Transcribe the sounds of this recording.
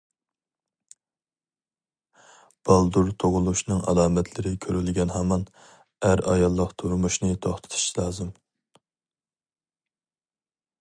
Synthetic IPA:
b̥ɑlˠd̪uɾt̪ʰoʁʊlˠuʃnɨŋʔɑ̰lˠɑːmɛt̪ʰlɪɾɪkʲʰøɾylɡʲɛnɦɑmɑn | æɾɑ̰jɑlˠːəqt̪ʰuɾmuʃnɨt̪ʰoχt̪ʰɨ̥t̪ʰu̥ʃʰlˠɑːzɨm

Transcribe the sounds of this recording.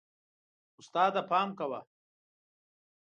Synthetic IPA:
ʊst̪aːd̪ɐpaːmkɐwa

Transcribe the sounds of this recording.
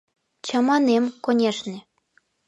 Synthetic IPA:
t͡ɕɑmɑnemkonʲeʃnĕ

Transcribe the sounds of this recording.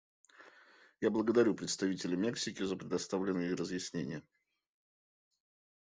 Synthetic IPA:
jablˠəɡəd̪ɐɾʲupɾʲɪt̪st̪ɐvʲitʲɪlʲɪmʲe̞ksʲɪkʲɪzəpɾʲɪd̪ɐst̪avlʲɪnːɨjrəzjɪsʲnʲenʲɪjə

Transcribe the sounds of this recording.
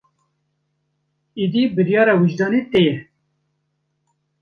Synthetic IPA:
id̪ibɨɾjɑːɾɛwiʒd̪ɑːnit̪ejɛ

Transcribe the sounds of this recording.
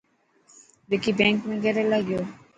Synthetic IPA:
d̪ekibɛŋkmiɡɛɾelaɡio

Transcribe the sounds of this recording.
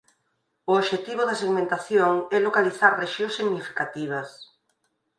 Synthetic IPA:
ʊoʃet̪iβ̞oðaseɣmẽnt̪aθjoŋɛlokaliθaɾreʃjosiɣnifi̥kat̪iβ̞ɐs

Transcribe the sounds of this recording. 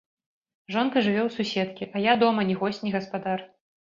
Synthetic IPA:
ʐɔnkɐʐɨvʲɛwsusʲɛt̪kʲiʔɐjad̪ɔmɐnʲiɣɔsʲtʲnʲiɣɐspad̪ar

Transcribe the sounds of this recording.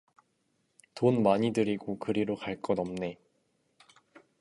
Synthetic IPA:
tonmaɲidɯɾiɡokɯɾiɾokaɭk͈ʌnʌmne̞

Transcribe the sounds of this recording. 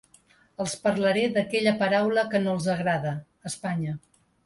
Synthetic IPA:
əlˠspəɾləɾeðəkɛʎəpəɾawləkənolˠzəɣɾaðəː | spaɲə

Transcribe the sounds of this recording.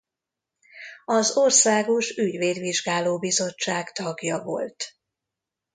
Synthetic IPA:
ɒzo̞rsaːɡo̞ʃyɟʋeːd̪ʋiʒɡaːloːbizo̞t͡ʃːaːɡt̪ɒɡjɒvo̞̰lt̪

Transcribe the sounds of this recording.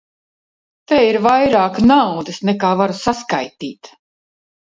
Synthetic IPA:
t̪eiɾvajɾaːknawd̪ɨsnɛkaːvaɾusaskajt̪iːt̪

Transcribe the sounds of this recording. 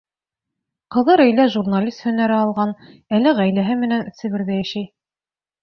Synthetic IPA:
qɤ̆ðɤɾɵ̆jlæʒurnalʲist̪hɵ̆næɾæɑlˠʁɑn | ælɘʁæjlæɦɘmɘ̆nænɘ̆sɘ̆βɘ̆ɾðæjæʃæj

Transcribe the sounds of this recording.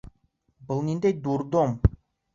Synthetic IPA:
bəlˠnind̪ejd̪uɾd̪om

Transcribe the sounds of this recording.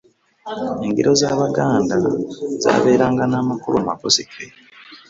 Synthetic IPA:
eŋɡḭɾo̞zaːβaɡaːndaza̰ːβe̞ːɾaːŋɡanaːmakuɾuamako̞sike

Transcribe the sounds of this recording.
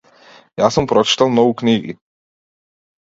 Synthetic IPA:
jaːsɔmpɾɔt͡ʃi̥t̪alnɔukɲiɡḭ

